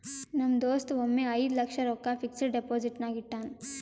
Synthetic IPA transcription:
nɐmd̪oːst̪uomːeːɐjd̪ulɐkʂɐɾoːkːaːpʰiksɐɖepoːd͡ʒiʈnaːɡiʈːaːn

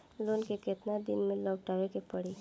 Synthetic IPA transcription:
loːnkekɪt̪nad̪ɪnmɪ̃ləwʈaːʋekepəɽiː

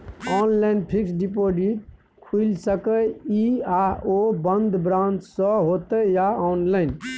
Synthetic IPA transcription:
ɔnlanpʰiksɖipod͡ʒit̪̚ | kʰuilsəkəiaobənd̪bɾãnt͡ʃsə̃ɦot̪əjaɔnlaɪn

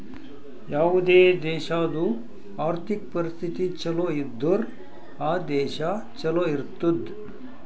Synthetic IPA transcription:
jaːʋud̪eːd̪ɛːʃaːd̪u | aːɾt̪ʰik̚pɐɾist̪ʰit̪it͡ʃɐloːid̪ːoɾ | aːd̪ɛːʃɐ | t͡ʃɐloːiɾt̪ud̪

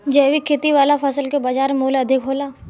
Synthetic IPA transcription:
d͡ʒɛːʋikʰeːt̪iʋaːlafʰɐsəlkebaːd͡ʒaːɾmoːlɐd̪ʱɪkɦoːlaː

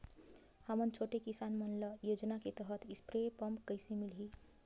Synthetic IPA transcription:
həmənt͡ʃʰoʈekisanmənlʌjod͡ʒnaket̪əɦət̪ispɾepʌmkəɪsemilɦi

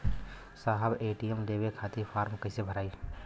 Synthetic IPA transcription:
saɦəbeːʈijemleːwekʰaːt̪ipʰaːɾmkəɪsebʱəɾaːi

